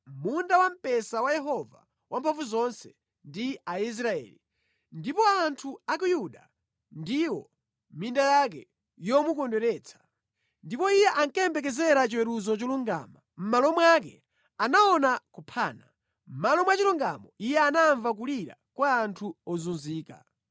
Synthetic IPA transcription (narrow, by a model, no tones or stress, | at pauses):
mundawam̩pɛsawajɛɦɔva̰ | wam̩pʰaɱfuzɔnsɛ̥ | ndiais̬ɾaɛ̰ːli | ndipɔaːntʰuak̬ujuɗa | ndiwɔ | mindajak̬ɛ | jɔmukɔndwɛɾɛːt͡sʰḁ | ndipɔijɛʔaŋkɛmbɛk̬ɛzɛɾat͡ʃiwɛɾuzɔt͡ʃɔluŋɡa̰ːma | m̩malɔmwakɛ̰ | anaɔnakupʰaːna | m̩malɔmwat͡ʃiluŋɡa̰mɔijɛanaɱvak̬uliɾa̰kwaːntʰuɔzunziːka̰